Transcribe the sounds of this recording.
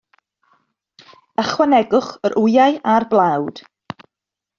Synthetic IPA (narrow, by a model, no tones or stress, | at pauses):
əχwanɛɡʊχəɾʔʊjajarblˠawd̥